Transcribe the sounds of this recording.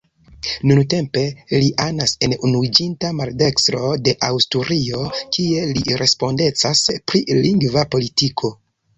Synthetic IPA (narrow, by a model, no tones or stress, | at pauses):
nunte̞mpe̞liʔanase̞nunuid͡ʒintamalde̞kstɾo̞de̞ʔawstuɾio̞kʰie̞liɾʔe̞spo̞nde̞t͡saspɾiliŋɡvapo̞litikʰo̞